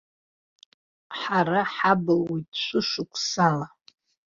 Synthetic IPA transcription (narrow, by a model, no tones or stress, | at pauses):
ħaɾaħabɨlwojtʼʃʷʊʃʷʊkʷʰʼsala